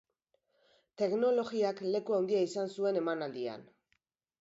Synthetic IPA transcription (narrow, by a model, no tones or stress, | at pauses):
t̪e̞kno̞lo̞ɣiakle̞kuawnd̪iaisansue̞ne̞manald̪ia̰n